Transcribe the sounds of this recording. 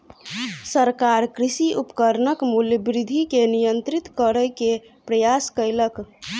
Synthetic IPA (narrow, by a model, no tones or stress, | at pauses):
səɾkaɾkɾisiʔupə̥kəɾnəkmuljəbɾid̪ʱikenijənt̪ɾit̪kəɾəjke | pɾəjaskəjlək